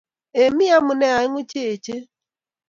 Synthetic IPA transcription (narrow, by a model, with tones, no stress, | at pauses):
e˨mi˦a˦mʊ˨ne˦a˨ɪ˦ŋʷʊ˦t͡ʃe˦e˨t͡ʃe˦